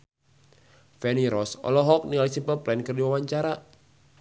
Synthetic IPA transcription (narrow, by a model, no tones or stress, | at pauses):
fɛniɾɔsɔ̰lɔɦɔk̚niŋalisimpəplɛnkɨrdiwawaɲt͡ʃaɾa